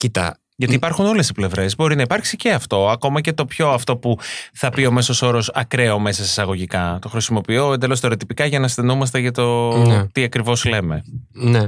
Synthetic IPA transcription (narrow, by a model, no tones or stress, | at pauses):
cit̪ɐ̰ | ʝɐt̪iːpɐɾxuno̞le̞si̥ple̞vɾe̞zbo̞ɾinɐipɐɾksice̞ɐft̪o̞ɐko̞mɐce̞t̪o̞pço̞ɐft̪o̞puθɐpio̞me̞so̞so̞ɾo̞sɐkɾe̞ome̞sɐsi̥sɐɣoʝikɐt̪o̞xɾisimo̞pioend̪e̞lo̞st̪oɾet̪ipikɐʝɐnɐst̪e̞nomɐst̪e̞ʝɐt̪o̞t̪iɐkɾivo̞sle̞me̞ne